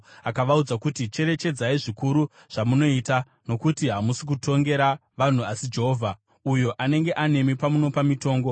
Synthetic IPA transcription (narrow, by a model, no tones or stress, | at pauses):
akaʋaud͡zakutit͡ʃe̞ɾe̞t͡ʃe̞d͡zaiʐikuɾu | ʐ̥amuno̞ita | no̞kutiɦamusik̬utʰo̞ŋɡe̞ɾaʋan̤uʋasid͡ʒeɦovʱa | ujo̞ʔane̞ŋɡe̞ʔane̞mipamuno̞pamito̞ːŋɡo̞